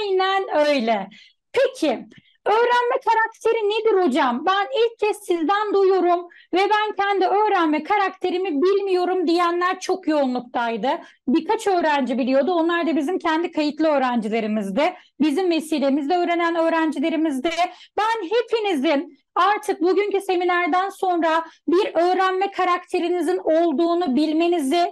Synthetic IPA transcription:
jnænø̞jlʲɛ | pʰecʰɪ | ø̞ːɾænmɛkʰaɾak̚t̪ʰe̞ɾined̪iɾo̞d͡ʒambænilʲc̚ʰːɛsːizd̪ænd̪ujuɾum | vɛbæncʰɛnd̪iø̞ːɾænmɛkʰaɾakt̪ʰe̞ɾimibilʲmijo̞ɾumd̪ijænlʲæɾt͡ʃʰo̞kjo̞unlˠuk̚t̪ʰajd̪ɯ | biɾkʰat͡ʃʰø̞ːɾænd͡ʒibilʲijo̞d̪uo̞nlˠaɾd̪abizimcʰænd̪ikʰajɯt̪lˠɯø̞ːɾænd͡ʒilʲe̞ɾimizd̪ɪ | bizimve̞siːlʲemizd̪ɛø̞ːɾe̞nænø̞ːɾænd͡ʒilʲe̞ɾimizd̪ɛbænɦe̞pʰinizɪn | aɾt̪ʰɯk̚buɟyncyse̞minʲæɾd̪ænso̞nɾabiɾø̞ːɾænmɛkʰaɾakt̪ʰe̞ɾinizino̞lˠd̪uːnubilʲme̞nizɪ

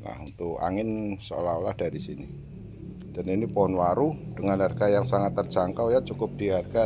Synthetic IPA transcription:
na̰hṵnt̪ʊka̰ŋɪnsəo̰laolahd̥aɾisini | d̥aniniponwaɾud̥əŋanarɡajaŋsaŋat̪ːərd͡ʒaŋkawjat͡ʃukʊp̚d̥iɦarɡa

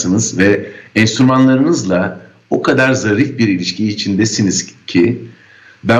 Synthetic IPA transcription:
sɯnɯzvɛɛnsyɾmanlˠaɾɯnɯzlˠa | okʰad̪aɾzaɾifbiɾilʲiʃcʰiːt͡ʃʰind̪ɛsiniz̥cʰi | d̪a

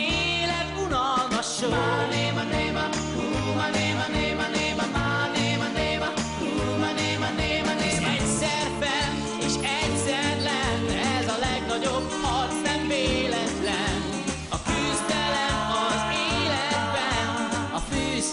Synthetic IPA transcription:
eː | lɛt̪unɒlmɒʃoneːmɑneːm | mneːmneːmɛneːmmaneːmneːm | u | mneːmnemneɛ | sɛrbɛn | eːʃɛɟsɛrlɛnɛzɒlɛɡnɒɟobhɒrt̪sɛɱːeːlɛt̪lɛn | ɒkyzd̪ɛlɛmɒzeːlɛd̪̚bɛnnɒføːs

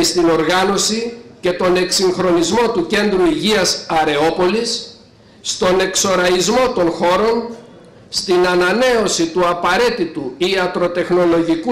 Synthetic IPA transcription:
ist̪ino̞ɾɣɐno̞sice̞t̪o̞ne̞ksiŋxɾo̞nizmo̞t̪uce̞nd̪ɾuiʝiɐsɐɾe̞o̞po̞lisː | t̪o̞ne̞kso̞ɾɐizmo̞t̪o̞nxo̞ɾo̞n | st̪inɐnɐne̞o̞sit̪uɐpɐɾe̞t̪it̪uiɐt̪ɾo̞t̪e̞xno̞lo̞ʝiku

